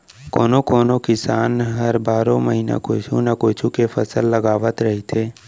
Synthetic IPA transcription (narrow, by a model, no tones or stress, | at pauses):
koːnokoːnokɪsaːnɦəɾbaːɾõməɦina̰koːt͡ʃʰunakoːt͡ʃʰukefəsəlːəɡaːʋət̪ɾəɦit̪ʰeː